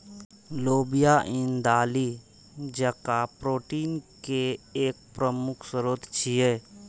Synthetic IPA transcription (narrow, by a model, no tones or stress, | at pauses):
loːbijaʔɪ̃nd̪aːli | d͡ʒəkapɾoːʈiːnkeeːk̚pɾəmʊkʰsəɾoːt̪t͡ʃʰijeː